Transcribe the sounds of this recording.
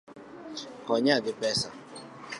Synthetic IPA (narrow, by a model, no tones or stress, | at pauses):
kɔɲaɡɪpɛsa̰